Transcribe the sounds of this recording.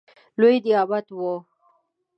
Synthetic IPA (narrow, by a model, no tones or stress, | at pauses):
lojd̪ijɑbat̪wo